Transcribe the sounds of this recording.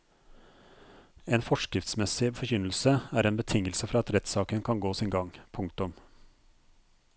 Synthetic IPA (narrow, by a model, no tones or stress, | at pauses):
eːnfɔʂkɾɪft̪smɛsɪfɔɾçʏnəl̩səæːɾeːnbət̪ʰɪŋəlsəfɾɑɑt̪ɾɛt̪sɑːkənkʰɑnɡoːsɪnɡɑŋpʰʊŋk̚t̪ʊm